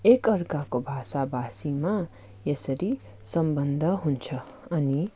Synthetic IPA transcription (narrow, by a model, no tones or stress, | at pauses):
ekʌɾkakobʱasabasima | jesəɾi | sʌmbənd̪ʱʌɦunt͡sʰʌ | ʌni